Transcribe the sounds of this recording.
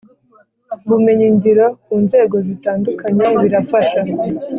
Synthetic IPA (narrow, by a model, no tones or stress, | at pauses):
βume̞ɲiɲɟiɾokuːnze̞ːɡo̞zitaːndukaɲe̞βiɾafaʃa